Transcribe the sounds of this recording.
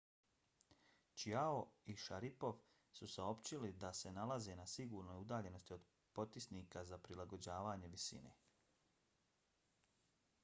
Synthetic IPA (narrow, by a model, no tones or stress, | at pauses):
t͡ʃiaoiʃaɾipo̞ʋ | susao̞pt͡ɕilid̪ase̞nalaze̞ːnasiɡuːɾno̞jud̪aːʎe̞no̞st̪io̞d̪ | po̞t̪isniːkazapɾilˠaɡo̞d͡ʑaːʋaːɲe̞ʋisḭːne̞̰